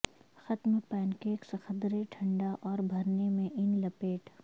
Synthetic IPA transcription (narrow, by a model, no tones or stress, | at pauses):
xɐt̪mpɛːnkeːksɐxəd̪ɾeʈʰɐ̃ɳɖaʔɔːɾbʱɐɾnemẽʔɪnlɐpeːʈ